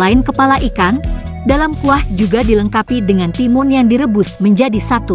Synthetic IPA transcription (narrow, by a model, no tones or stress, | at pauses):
aɪnkəpalaʔikan | dalamkuahd͡ʒuɡadiləŋkapidəŋant̪imʊnjaŋdiɾəbʊsməɲd͡ʒadisat̪u